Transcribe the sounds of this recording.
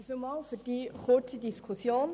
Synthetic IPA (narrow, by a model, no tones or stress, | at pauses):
filmɑːlfyːd̥iːχʊt͡sədiskʰusjoːn